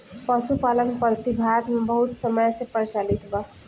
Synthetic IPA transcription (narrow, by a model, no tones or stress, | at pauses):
pəsupalənpət̪ibʱat̪mebəɦut̪səməjsepəɾt͡ʃalit̪ʰba